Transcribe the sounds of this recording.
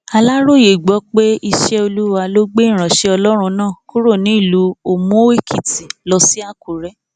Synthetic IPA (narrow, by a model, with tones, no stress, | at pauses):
a˧la˦ɾo˦˨je˨ɡ͡bɔ˨˦k͡pe˦i˧ʃɛ˦o˧lu˦wa˧lo˦ɡ͡be˦ĩ˦˨ɾ̃ã˨ʃe˧˦ɔ˧lɔ˦ɾ̃ũ˧nãː˦˨ku˦ɾo˦˨nĩ˨˦i˦˨lu˨˦o˨mõ˨˦e˦˨kʰi˨ti˨lɔ˧si˦a˦˨ku˨ɾɛ˨˦